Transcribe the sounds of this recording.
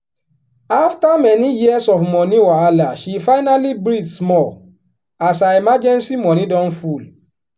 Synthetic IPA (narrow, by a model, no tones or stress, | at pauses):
aftamɛnijiɛsɔfmɔniwɔalaʃifaɪnalibɹidsmɔl | as̬aimad͡ʒɛ̃nsimɔnidɔ̃nful